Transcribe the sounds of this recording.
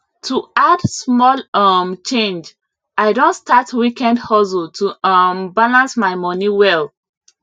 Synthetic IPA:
tʰuadsmɔlʌmt͡ʃẽnd͡ʒ | ʔaɪdõntstatwikɛ̃ndhɔsultʰuʌmbalãnsmaɪmɔniwɛl

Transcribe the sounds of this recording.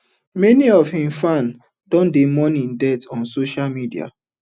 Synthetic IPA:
mɛniɔv̥hĩmfãn | dɔ̃ndemɔ̃nĩndɛtɔ̃nsoʃalmidia̰

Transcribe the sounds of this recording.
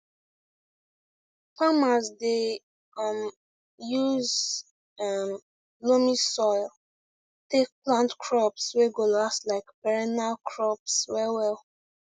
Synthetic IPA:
famazde | ʌm | juz | ʌm | lomisɔɪl | tek̚plãntkʰɹɔpsweɡolaslaɪkpɛɹɛnalkʰɹɔpswɛwɛl

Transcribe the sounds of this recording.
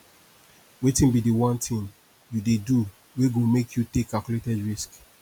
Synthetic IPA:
wetĩnbidiwɔ̃ntʰĩn | judedu | weɡomekʰjutekʰːalkjuletɛdɹisk

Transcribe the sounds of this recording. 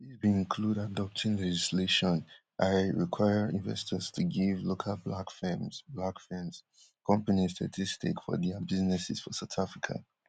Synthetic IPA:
ðizbĩnĩnkʰludadɔp̚tʰĩŋlɛd͡ʒisleʃɔ̃n | ʔaɪɹikʰwaɪəɹĩnvɛ̰stʰəz̥tʰuɡivlokʰalˠblakfɛ̃mz̥blakfɛ̃mz̥ | kʰʌ̃mpanistʰa̰tʰistḭkfɔ̰ðɛbiznɛsɪ̰z̥fɔsaʊtafɹikʰa̰

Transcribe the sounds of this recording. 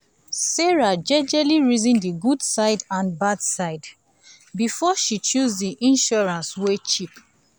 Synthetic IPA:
sɛɹad͡ʒɛd͡ʒɛliɹizĩndiɡudsaɪdãnbadsaɪd | bifɔʃit͡ʃuzdiʔĩnʃɔɹãnswet͡ʃip

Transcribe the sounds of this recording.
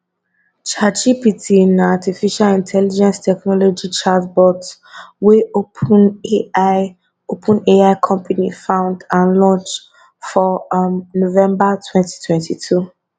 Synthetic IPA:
t͡ʃat͡ʃipitʰinatifiʃalĩntʰɛlid͡ʒɛ̃nstʰɛknɔlod͡ʒit͡ʃadbɔt | wen | opʰũneaɪkʰɔ̃mpanifãʊ̃ndãnlɔ̃nt͡ʃ | fɔnovɛ̃mbatʰwɛ̃nti̥tʰwɛ̃ntʰitʰu

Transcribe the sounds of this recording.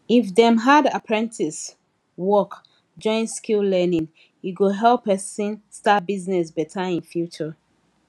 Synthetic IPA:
ifdɛ̃mɦadapʰɹɛ̃ntʰis | wɔk | d͡ʒɔ̃ɪ̃nskillɛnĩŋ | iɡuɦɛlpːɛsĩnstat̚biznɛsbɛtʰaĩnfjut͡ʃə

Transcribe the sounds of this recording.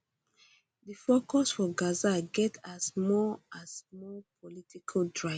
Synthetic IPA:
dəfokʰɔsfɔɡazaɡɛtʰasmɔasmɔpʰɔlitʰikʰaldɹaɪ

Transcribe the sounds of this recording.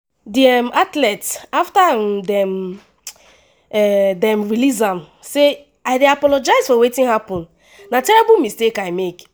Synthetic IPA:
diɛmatlɛtsaftadɛm | ɛdɛ̃mɹilis̬ãm | se | aɪdeapɔlɔd͡ʒaɪzfɔwetĩnhapɔ̃n | natɛɹɛbɔmistekaɪmek

